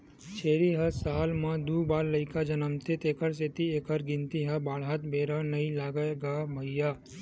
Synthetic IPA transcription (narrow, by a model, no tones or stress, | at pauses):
t͡ʃʰeːɾiɦəsaːlmãd̪uːbaːɾləɪkad͡ʒɐnəmt̪et̪eːkʰəɾset̪ieːkʰəɾɡɪ̃nt̪iɦəbaːɽɦat̪bʱeːɾənɐĩlaːɡəɡamɐijaː